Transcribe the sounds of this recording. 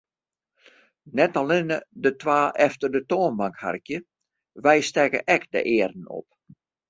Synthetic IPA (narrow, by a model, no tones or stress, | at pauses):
nɛtalɪnədətwaːʔɛftərdətoːnbaŋkha̰rkjə | ʋɛjstɛkəʔɛkdə̰ʔɪːərən̩o̰p̚